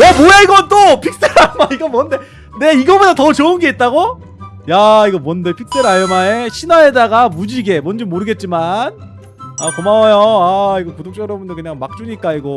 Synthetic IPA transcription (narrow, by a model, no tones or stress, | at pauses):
ʌmoeiɡʌnt͈opʰik̚s͈eɾajmaiɡʌmwʌnde̞ | ne̞iɡʌbodatʌt͡ɕoɯnɡe̞it̚t͈aɡo | jaiɡʌmʌnde̞pʰik̚s͈e̞ɾajomaeɕʰinwaedaɡamud͡ʑiɡe̞mʌnd͡ʑimoɾɯɡe̞t̚t͡ɕ͈iman | akomawajoaiɡʌkudok̚t͡ɕ͈ʌɡɯɾʌbundokɯɲaŋmak̚t͡ɕ͈uɲik͈aiɡʌ